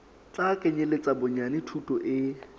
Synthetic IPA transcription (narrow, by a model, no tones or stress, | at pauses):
t͡ɬakʼeɲelet͡sʼabʊɲanɪtʰutʼɔʔɪ